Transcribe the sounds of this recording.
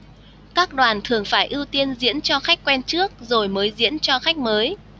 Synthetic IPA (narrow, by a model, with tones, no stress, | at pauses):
kaː˦˥k̚ɗwaː˨˩nt̪ʰɨ˨˩əŋfaː˧˩jʔi˧wt̪i˧ənzḭ˧˥ənt͡ɕɔ˧xa˦˥k̟̚kwɛ˧nt͡ɕɨ˦˥ək̚zo˨˩jməː˨˦jzḭ˧˥ənt͡ɕɔ˧xa˦˥jk̟̚məː˨˦j